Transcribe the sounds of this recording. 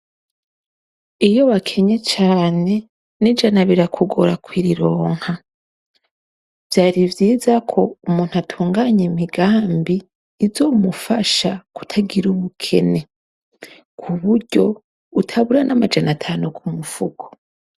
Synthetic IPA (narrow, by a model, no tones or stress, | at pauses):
ijo̞wakʰe̞ɲe̞t͡ʃaːne̞ | nid͡ʒanaβiɾakʰuɡoɾakwiɾiɾo̞ːŋ̥ha | vjaːɾivjiːzakʰo̞umuːnhuatʰuːŋɡaːɲemiɡaːmbiː | zo̞ːmufaʃaku̥tʰaɡiɾuβukʰe̞̰ne̞ | kʰuβuɾɟo̞ | utʰaβuɾanʔamad͡ʒanatʰaːnukʰumufuɡo